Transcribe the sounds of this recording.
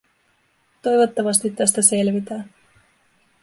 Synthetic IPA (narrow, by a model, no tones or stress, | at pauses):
t̪o̞jʋo̞t̪ːɑʋɑst̪it̪ːæst̪æse̞lʋit̪æː